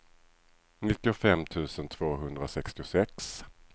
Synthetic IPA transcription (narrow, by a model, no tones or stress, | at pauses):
nɪt̪ːɪʊfɛmt̪ʰʉ̟ːsənt̪ʰv̥oːɦɵnd̪ɾasɛkst̪ɪʊsɛks